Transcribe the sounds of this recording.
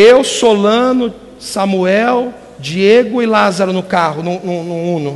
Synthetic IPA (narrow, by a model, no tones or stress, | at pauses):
ewsolɐ̃nʊ | samuɛw | d͡ʒieɡʊɪlazaɾʊnʊkahʊnʊ̃nʊ̃nʊ̃ũnʊ